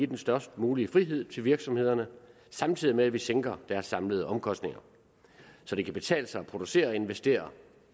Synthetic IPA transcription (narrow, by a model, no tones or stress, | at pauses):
id̥ensd̥ɶɐsd̥muːliəfʁiɦe̝ð̞̰ˠt͡sʰe̝lʋiɐɡ̥sɒ̽mhe̝ð̰ˠɐnə | sɑ̈mt͡sʰið̰ˠimeæʋiseŋɡ̥ɐd̥æɐsːɑ̈mləðˠəʔɒ̽mkʰɒ̽sd̥ne̝ŋɐ | sɒ̽d̥e̝kʰæb̥e̝t͡sʰɛ̰ːləsɑ̈ɪɒ̽pʰʁo̝d̥use̝̰ːɐɒe̝nʋesd̥e̝̰ːɐ